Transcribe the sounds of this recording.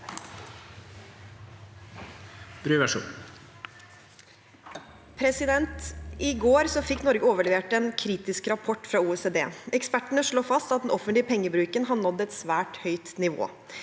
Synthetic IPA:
b̥ɾyːʋæʂṵːn | pʰɾɛsɪd̪ɛnt̪ɪɡoːɾsɔfɪkːnɔɾɡəoːʋəɭɛʋeːʈɛːnkʰɾiːt̪ɪskɾɑpʰɔʈːfɾɑːuːɛseːd̪eːɛkspæʈəɳəʂɭoːfɑst̪ɑt̪̚d̪ɛnɔfənt̪lɪəpʰɛŋːəbɾʉːkənɦɑnɔd̪ːɛt̪sʋæːʈhœʏt̪nɪʋo̰ː

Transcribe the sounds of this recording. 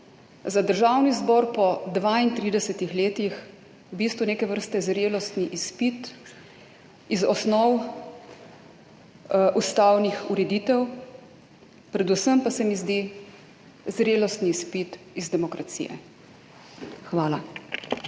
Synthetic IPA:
zad̪əɾʒaːwnizbɔɾpɔd̪ʋaint̪ɾiːd̪ɛsɛt̪ixleːt̪ix | wbiːst̪ʋuneːkɛʋəɾst̪ɛzɾeːlɔst̪niʔispit̪ | izɔsnɔw | ʔust̪aːwnixuɾɛd̪iːt̪ɛw | pɾɛd̪usəmpasɛmizd̪i | zɾeːlɔst̪niːspit̪ | izd̪ɛmɔkɾasḭjɛ̰ | xʋaːla

